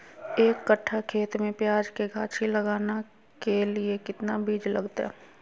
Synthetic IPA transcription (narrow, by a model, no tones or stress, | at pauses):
eːkːəʈʰːakʰeːt̪mẽpjaːd͡ʒkeɡʱaːt͡ʃʰilɐɡaːna | keliekɪt̪nabiːd͡ʒlɐɡt̪a̰ɦɛ